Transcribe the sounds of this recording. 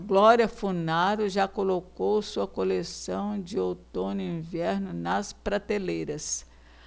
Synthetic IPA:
ɡlɔɾiɐfunaɾʊʒakolokowsuɐkolesɐ̃w̃d͡ʒɪot̪õnʊĩvɛɾnʊnɐspɾat̪elejɾɐs

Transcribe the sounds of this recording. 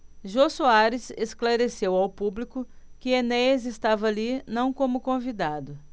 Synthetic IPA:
ʒosuaɾɪsesklaɾesewawpublikʊkɪenɛɐzest̪avɐaːlinɐ̃w̃kõmʊkõvid̪ad̪ʊ

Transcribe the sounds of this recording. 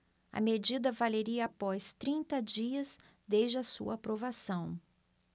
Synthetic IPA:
ɐ̰med͡ʒid̪ɐvaleɾiɐapɔst̪ɾĩnt̪ɐd͡ʒiɐs | d̪ed͡ʒɪɐsṵɐːpɾovasɐ̃w̃

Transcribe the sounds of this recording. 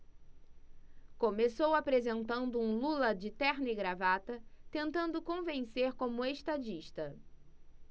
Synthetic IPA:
kõmesowapɾezẽnt̪ɐ̃nd̪ʊũlulɐd͡ʒɪt̪ɛɾnɪɡɾavat̪ɐt̪ẽnt̪ɐ̃nd̪ʊkõvẽseɾkõmʊeʃt̪ad͡ʒiʃt̪ɐ

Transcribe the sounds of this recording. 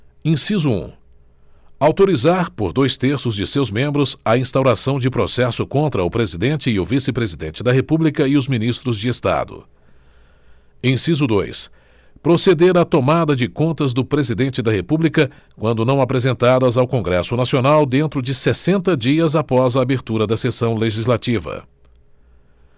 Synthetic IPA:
ẽsizʊṵ̃ | awt̪oɾizaɾpoɾd̪ojst̪eɾsʊzd͡ʒɪsewzmẽmbɾʊzɐĩst̪awɾasɐ̃w̃d͡ʒɪpɾosɛsʊkõnt̪ɾɐʊpɾezid̪ẽnt͡ʃɪːʊvisɪpɾezid̪ẽnt͡ʃɪd̪ɐɦepublikɐɪʊzminist̪ɾʊzd͡ʒɪest̪a̰d̪ʊ̰ | ẽj̃sizʊd̪ojs | pɾosed̪eɾat̪omad̪ɐd͡ʒɪkõnt̪ɐzd̪ʊpɾezid̪ẽnt͡ʃɪd̪ɐɦepublikɐ | kwɐ̃nd̪ʊnɐ̃w̃apɾezẽnt̪ad̪ɐzawkõɡɾɛsʊnasionawd̪ẽnt̪ɾʊd͡ʒɪsesẽnt̪ɐd͡ʒiɐzapɔzɐːbeɾt̪uɾɐd̪ɐsesɐ̃w̃leʒizlat͡ʃivɐ̰

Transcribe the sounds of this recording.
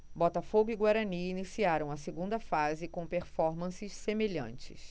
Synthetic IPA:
bɔt̪ɐfoɡʊiɡwaɾɐniːnisiaɾɐ̃w̃ɐseɡũnd̪ɐfazɪkõw̃peɾfɔɾmɐ̃sɪʃsemeʎɐ̰̃nt͡ʃɪ̰s

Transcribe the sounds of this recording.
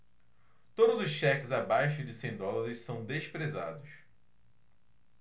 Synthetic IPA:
t̪od̪ʊzʊsʃɛkɪzabajʃʊd͡ʒɪsẽnd̪ɔlɐɾɪssɐ̃w̃d̪eʃpɾezad̪ʊs

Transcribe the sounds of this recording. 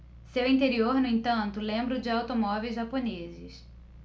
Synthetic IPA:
sewĩt̪eɾioɾnʊ̃ẽt̪ɐ̃nt̪ʊlẽmbɾʊd͡ʒɪawt̪omɔvejzʒaponezɪs

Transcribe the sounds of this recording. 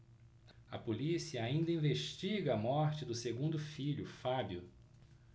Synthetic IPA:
ɐpolisiɐaĩnd̪ɐĩveʃt͡ʃiɡɐːmɔɾt͡ʃɪd̪ʊseɡũnd̪ʊfiʎʊfabjʊ

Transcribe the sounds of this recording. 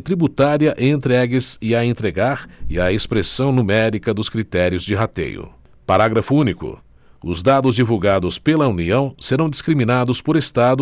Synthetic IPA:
t̪ɾibut̪aɾiɐʔẽnt̪ɾɛɡɪzɪɐẽnt̪ɾeɡaɾɪɐespɾesɐ̃w̃numɛɾikɐd̪ʊskɾit̪ɛɾiʊzd͡ʒɪɦat̪ḛjʊ̰ | paɾaɡɾɐfʊũnikʊ̰ | ʊzd̪ad̪ʊzd͡ʒivuwɡad̪ʊspelɐuniɐ̃w̃seɾɐ̃w̃d͡ʒiskɾimĩnad̪ʊspoɾest̪ad̪ʊ

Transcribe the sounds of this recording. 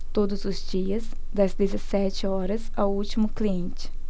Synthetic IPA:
t̪od̪ʊzʊzd͡ʒiɐz | d̪ɐzd̪ezesɛt͡ʃɪɔɾɐzawut͡ʃimʊkliẽnt͡ʃɪ̥

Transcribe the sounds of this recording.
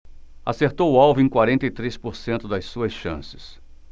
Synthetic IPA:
a̰seɾt̪owʊawvʊẽkwaɾẽnt̪ɐit̪ɾespoɾsẽnt̪ʊd̪ɐssuɐsʃɐ̰̃sɪ̥s

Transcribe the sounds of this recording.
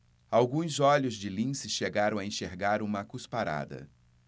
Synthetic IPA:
awɡũzɔʎʊzd͡ʒɪlĩsɪʃeɡaɾɐ̃w̃aẽʃeɾɡaɾũmɐkuspaɾa̰d̪ɐ̰

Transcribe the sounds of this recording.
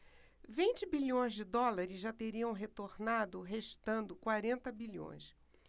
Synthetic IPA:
vĩnt͡ʃɪbiʎõj̃zd͡ʒɪd̪ɔlaɾɪzʒat̪eɾiɐ̃w̃ɦet̪oɾnad̪ʊɦeʃt̪ɐ̃nd̪ʊkwaɾẽnt̪ɐbilõ̰j̃s

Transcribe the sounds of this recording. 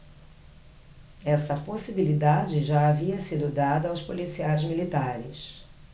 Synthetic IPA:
ɛsɐposibilid̪ad͡ʒɪʒaaviɐsid̪ʊd̪ad̪ɐːwspolisiajzmilit̪aɾɪs

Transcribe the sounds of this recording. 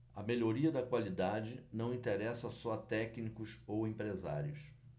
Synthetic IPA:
ɐmeʎoɾiɐd̪ɐkwalid̪ad͡ʒɪnɐ̃w̃ĩnt̪eɾɛsɐsɔɐt̪ɛknikʊsowẽpɾeza̰ɾjʊs

